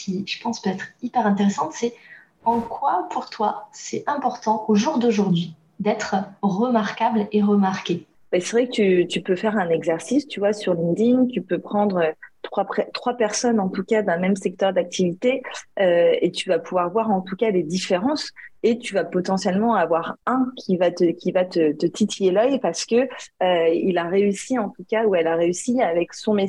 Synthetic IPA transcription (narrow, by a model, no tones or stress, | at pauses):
kʲiʒ̥əpɑ̃spøɛt̪χipɛʁɛ̃t̪eʁesɑ̃t̪sɛ | ɑ̃kwapʰuʁt̪wasɛtɛ̃pɔʁt̪ɑ̃oʒuʁd̪oʒuʁd̪ɥi | d̪ɛt̪χʁəmaʁkableʁəmaʁkʲe | bɛsɛvʁɛkət̪yt̪ypøfɛʁɛ̃nɛɡzɛʁsist̪yvwasyʁlĩŋd̪iŋt̪ypøpχɑ̃d̪ʁøt̪χwapχɛt̪χwapɛʁsɔnɑ̃t̪ukad̪ɛ̃mɛmsɛk̚t̪œʁd̪ak̚t̪ʰivit̪eøet̪yvapuvwaʁvwaʁɑ̃t̪ukaled̪ifeʁɑ̃set̪yvapɔt̪ɑ̃sjɛlmɑ̃avwaʁɛ̃kʲʰivat̪əkʲivat̪ət̪ət̪ʰit̪ʰijelœjpaʁsə̥kəøilaʁeysiɑ̃t̪ukauɛlaʁeysiavɛksɔ̃me